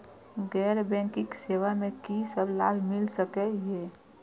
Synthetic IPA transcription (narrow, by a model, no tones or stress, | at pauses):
ɡɛːɾbɛ̃ŋkɪksewamẽkisəblaːbʱmɪlsəkɛjeː